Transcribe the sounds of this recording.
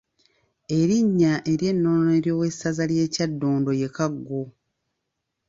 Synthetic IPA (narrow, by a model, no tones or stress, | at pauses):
e̞ɾiɲːaʔe̞ɾje̞nːoːneɾjo̞ːwe̞sːazalje̞ːcadːoːndo̞je̞kaɡːo